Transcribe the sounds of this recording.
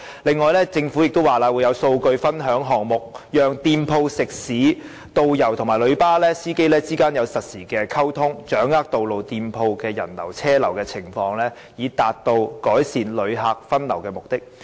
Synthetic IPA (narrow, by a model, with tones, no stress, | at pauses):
lɪ˨ŋːɔː˨jlɛː˥t͡sɪ˧ŋfuː˨˥jɪ˨k̚t̪o˥waː˨˩laː˧wu˨˧jɐ˨˧wso˧wkɵ˧ɥfɐ˥nɦœː˨˥ŋɦɔː˨˩ŋmʊ˨˩k̚jœː˨ŋt̪iː˧mpʰo˧wsɪ˨k̚siː˨˥ | t̪o˧wjɐ˨˩wt̪ʰʊ˨˩ŋmaː˨˩jlɵ˨˧ɥpaː˥lɛː˥siː˥ke˥jlɛː˥t͡siː˥kaː˥njɐ˨˧wsɐ˨t̚siː˨˩kɛː˧kʰɐ˥wt̪ʰʊ˥ŋt͡ʃœː˨˥ŋaː˥k̚t̪o˨wlo˨wt̪iː˧mpʰo˧wkɛː˧jɐ̰˨˩nlɐ̰˨˩wt͡sʰɛː˥lɐ˨˩wkɛː˧t͡sʰɪ˨˩ŋfɔː˧ŋlɛː˥ | jiː˨˧t̪aː˨t̚t̪o˧wkɔː˨˥jsiː˨nlɵ˨˧ɥɦaː˨˧k̚fɐ˥nlɐ˨˩wkɛː˧mʊ˨k̚t̪ɪ˥k̚